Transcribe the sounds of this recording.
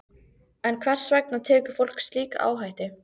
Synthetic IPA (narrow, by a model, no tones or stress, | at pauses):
ɛnkʰvɛr̥svɛk̚nat̪ʰɛːkʏ̥ɾ̥fowl̥kst̪liːka̰ʔa̰ːwɦajht̪ɪ